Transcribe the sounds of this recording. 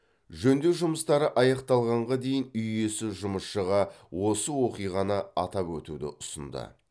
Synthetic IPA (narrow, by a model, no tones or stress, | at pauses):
ʒɵnd̪e̞wʒʊməst̪ɑɾəʔɑjɑqt̪ɑlˠʁɑɴʁɑd̪e̞jɪnʏje̞sɪʒʊməsʃəʁɑwo̞səwo̞qijʁɑnɑɑt̪ɑpwɵt̪ud̪ɪ̰ʔʊsənd̪ə̰